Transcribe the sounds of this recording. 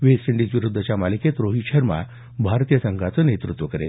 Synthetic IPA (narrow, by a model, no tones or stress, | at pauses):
ʋessiɳɖit͡sʋiɾud̪ʱːət͡ɕjamaliket̪ɾoɦiɕəɾma̰ | bʱaɾt̪ijəsəŋɡʱat͡sənet̪ɾut̪ʋəkəɾḛ